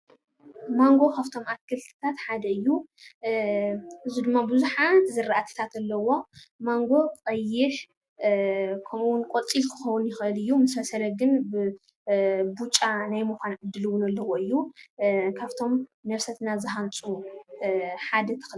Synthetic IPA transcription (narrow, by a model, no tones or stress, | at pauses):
maŋɡo̞kʰaβt̪ʰo̞makʰːɨlt̪ʰɨ̥t̪ʰat̪ħad̪ɐɨjːu | ʔɨzud̪ɨmːabɨzuħat̪zɨɾaʔat̪ʰi̥t̪ʰat̪ɐlːɐwo̞maŋɡo̞kʼɐjːɪħ | kʰɐmuwʊnkʼot͡sʼilkʰɨ̥xɐwʊnjɪxɨlɨjːumɨsɐsɐlɐɡɨnbɨ | but͡ʃʼːanajmɨkʷanʕɨd̪ːɨlɨwʊnɐlːɐwoɨjːu | kʰaβt̪ʰo̞mnɐβsɐt̪nazɨɦant͡sʼu | ħad̪ɐt̪ʰɨ̥x